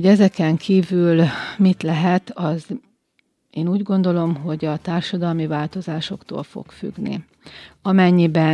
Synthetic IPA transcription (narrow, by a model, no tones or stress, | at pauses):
ɟɛzɛkɛŋkʰiːvylmit̪lɛɦɛt̪ɒz | eːnuːɟɡo̞nd̪o̞lo̞mɦo̞ɟɒt̪aːrʃɒd̪ɒlmivaːlt̪o̞zaːʃo̞kt̪o̰ːlfo̰kfy̰ɡnḭ | ɒmɛɲːibɛ